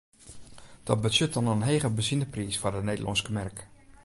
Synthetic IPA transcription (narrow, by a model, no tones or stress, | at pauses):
d̥ɔt̚bəsʏt̚ɑnənɦejχəbəzinəprisfʊrdənejdəlʔɑ̰nskəmɛrk